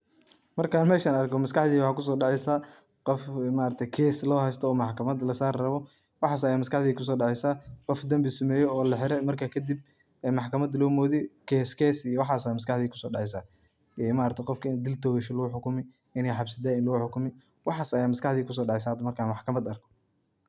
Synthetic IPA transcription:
mɐrkʰaːnmɛːʃaːnɐrkʰɔmɐskɑħðiːwħɑːkʰʊs̬ɔːɖɑʕɛjsaː | qɔfmaːɾɐɾt̪ʰɛkʰɛːslɔːhɛst̪ʰɔːmɑħkʰɐmɐd̪lɐsaːrrɐβɔ | wɑħɑːsɐjaːmɐskɑħðiːkʰʊs̬ɔːɖɑʕɛjsaːqɔfd̪ɐmbɪsɐmɛːjɔɔːlɐħɪɾɛmɐrkʰakʰɐd̪ɪb̚ | ɛmɑħkʰɐmɐd̪lɔːmɔːðɛkʰɛːskʰɛːsijɔwɑħɑːsajmɐskɑħðiːkʰʊ̥sɔːɖɑʕɛjs̬aː | ɛmaːɾɐɾt̪ʰɛjqɔfkʰɐɪnd̪ɪlt̪ʰɔːɣɛʃɐlʊʊħʊkʊmɪ | ɪnɛjħɑbsɐd̪aːɪnlʊħʊkʊmɪ | wɑħɑːsɐjaːmɐskɑħðiːkʰʊs̬ɔːɖɑʕɛjsaːhɐd̪ɐmɐrkʰaːnmɑħkʰɐmɐd̪ɐrkʰɔ̥

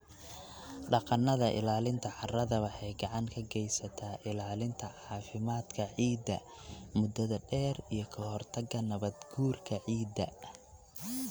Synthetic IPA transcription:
ɖɑqɑnɐðɐʔɪ̰laːlɪnt̪ʰɐħɑrɐðɐwɐħɛjɡɑʕɑŋkʰɐɡɛjsɐt̪ʰaːʔɪlaːlɪnt̪ʰɐʕɑːfɪmaːd̪kʰɐʕiːd̪ɐ | mʊd̪ɐðɐɖɛːrijɞkʰɐhɔrt̪ʰɐɡɐnɐβɐd̪ɡuːrkʰɐʕiːd̪ɐ

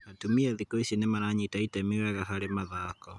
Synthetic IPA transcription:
natumiaðikɔiʃinemanaɲitaitamiwɛɣaɦaɾemaðaːkɔ

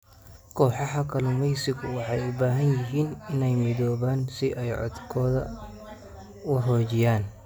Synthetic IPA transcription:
kʰɔːħɑħɑkʰɐlɪmɛjsɪɡʊwɑħɑjʊbaːɦɐnjɪɦiːnɪnɛjmɪðɔːβaːnsɪʔɛjʕɔ̰d̪kʰɔːðɐ̰ | wɑɦɔːt͡ʃɪjaːn

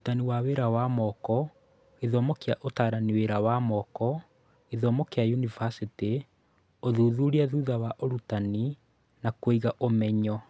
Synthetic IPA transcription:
outaniwaweɾawamɔkɔ | eðɔmɔkeaʔotaːɾaniweɾawamɔkɔ | eðɔmɔkeajunivasite | oðuðuɾiaðuðawaʔoɾutani | nakoiɣaʔomɛɲɔ

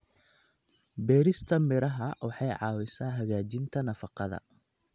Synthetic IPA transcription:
bɛːɾɪst̪ʰɐmɪɾɐɦɐwɑħɑjʕɑ̰ːwɪsaːɦɐɣaːt͡ʃɪnt̪ʰɐnɐfɑqɑðɐ̰

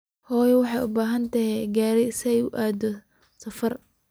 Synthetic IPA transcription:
hɔːjɐwɑħɑjʊbaːɦɐnt̪ʰɐɦɛɡaːɾɛsjʊʔaːd̪ɔ | sɐfɐr

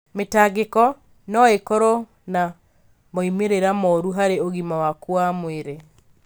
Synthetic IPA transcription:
metaɣekɔ | nɔekɔɾɔ | na | mɔimeɾeɾamɔɾuɦaɾeoɣimawakwamweɾe

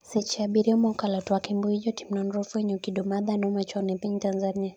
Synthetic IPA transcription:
sɛt͡ʃaɓiɾiɔmakalɔtuakimbuid͡ʒɔtim̩nɔnɾɔfuɛɲɛukiɗɔmaðanɔmat͡ʃanɛpiɲitanzania

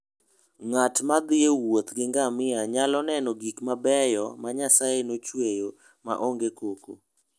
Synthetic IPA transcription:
ŋatmad̪ɪewot̪ɡɪŋɡamɪaɲalɔnɛnɔɡikmabɛjɔmaɲasajenot͡ʃwejo | ma̰ʔoŋɡekoko̰

